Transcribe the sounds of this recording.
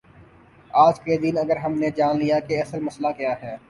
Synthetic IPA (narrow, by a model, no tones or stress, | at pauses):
aːd͡ʒkɾeːd̪iːnɐɡəɾɦɐmned͡ʒaːnlijakeɐsəlmɐslakjaːɦɛː